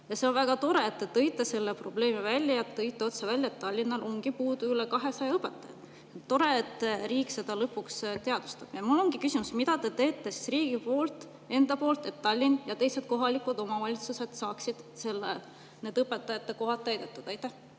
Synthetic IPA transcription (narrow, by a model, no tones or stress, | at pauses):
jɑse̞onvæɡ̥ɑt̪o̞ɾe̞ːt̪ːet̪ɤ̞jt̪ːˑɑse̞lːepro̞ble̞ːmivælʲjɑjɑt̪ːɤjt̪ˑːeo̞t̪sevælʲːjɑet̪ːɑlʲːinːɑlʔo̞ŋɡ̥ipuːd̪uylekɑɦe̞sɑjɑɤpːˑet̪ːˑɑjɑ̰d̪̥ | et̪ːo̞ɾe̞et̪ːriːkse̞d̪ɑlɤpːukst̪eɑd̪̥u̥st̪ɑb̥jɑmulːo̞ŋɡ̥ikysimusmid̪̥ɑt̪et̪e̞ːt̪ːˑesi̥riːɡ̥ipo̞ːlt̪ˑ | e̞nd̪ɑpo̞ːlt̪ˑe̞t̪ːɑlʲːinjɑt̪e̞jse̞d̪̥̚ko̞ɦɑlikud̪o̞mɑvɑlʲit̪suse̞d̪̥sɑːksid̪̥se̞lːḛ | ne̞ːd̪̥ɤpːˑet̪ːˑɑjɑt̪ːeko̞ɦɑt̪ːæjd̪et̪ːˑud̪ɑjt̪ːˑæh